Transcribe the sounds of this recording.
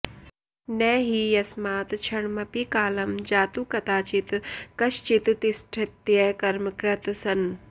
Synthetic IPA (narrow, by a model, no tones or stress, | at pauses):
nɛːɦijɐsmaːt̪t͡ʃʰɐɳmɐpikaːlɐmd͡ʒaːt̪uːkɐt̪aːt͡ʃit̪kɐʃt͡ʃit̪t̪isʈʰɐt̪jɐkɐɾmɐkɾɐt̪sɐn